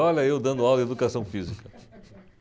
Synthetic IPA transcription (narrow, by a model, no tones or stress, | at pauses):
ɔlɐewd̪ɐ̃nd̪ʊawd̪ɐed̪ukasɐ̃w̃fizikɐ